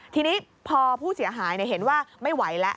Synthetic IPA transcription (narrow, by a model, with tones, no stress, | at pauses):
t̪ʰiː˧niː˦˥ | pʰɔː˧pʰuː˥˩si˩˦ɦaː˩˦jn˧˩ɦe˩˦nwaː˥˩ma˥˩jwa˩˦jlɛ˦˥ʔ